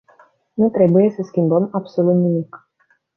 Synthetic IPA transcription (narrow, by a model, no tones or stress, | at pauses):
nut̪ɾe̞buje̞səskʲimbəmabso̞lut̪nimik